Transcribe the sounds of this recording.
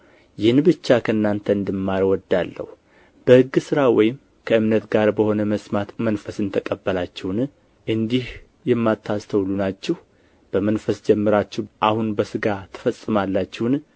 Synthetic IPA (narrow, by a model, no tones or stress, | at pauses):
jɪhnbɨt͡ʃːakʰəɨnːant̪ʰəɨnd̪ɨmːaɾwɔd̪alːə̰hu | b̥əhɨɡːsɨɾawɔjɪm | kʰəɨmnət̪ɡaɾbəho̞nəməsmat̪mənfəsɨnt̪ʰəkʼəbːəlat͡ʃːɛwn | ʔɨnd̪ih | jɛmːat̪ʰːast̪ʰəwlunat͡ʃːɛh | b̥əmənfəsd͡ʒɛmːɨɾat͡ʃːɛʔahunbəsɨɡat̪ʰɨ̥fəsʼːɨmalːat͡ʃːɛwn